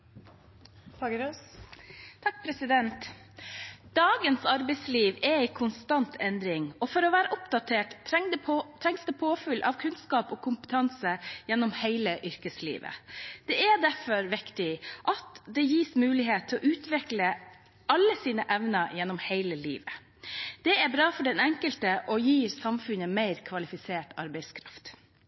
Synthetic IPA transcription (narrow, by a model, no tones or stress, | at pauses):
pʰɑɡəɾoːs | t̪ʰɑk̚ːpʰɾɛsɪd̪ɛnt̪ | d̪̥ɑːɡənsɑɾbɛɪsliːʋɛæɪkʰʊnst̪ɑnt̪ʰɛnd̪ɾɪŋɔfɔɾɔʋæːɾəʔʊpd̪ɑt̪ʰeːʈ̪ | t̪ʰɾɛŋsd̪ɛpʰoːfʉlʔɑ̰ʋkʰʉnskɑːpɔːkʰʊmpə̥t̪ʰɑnsəjɛnːɔmhæɪləʔʏɾkəslḭːʋə̰d̪̥ɛɛd̪æfɔɾʋɪkt̪ɪʔɑt̪d̪ɛjiːsmʉːlɪɦeːt̪ʰːɔʔʉːt̪ʰʋɛklə | ɑlːəsiːnəʔɛʋnəjɛnɔmhæɪləlḭːʋə | d̪̥ɛæbɾɑːfɔɖɛnɛŋkəlt̪əʔɔjiːɾsɑmfʉnəmeɪɾkʰʋɑlɪfɪseːʈɑ̰ɾbɛɪskʰɾɑft̪